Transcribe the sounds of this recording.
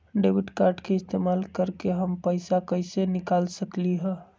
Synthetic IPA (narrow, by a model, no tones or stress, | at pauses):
ɖebiʈkaɾɖkeɪst̪emalkəɾkeɦəmpəjsakəsenikalsəkliɦə̃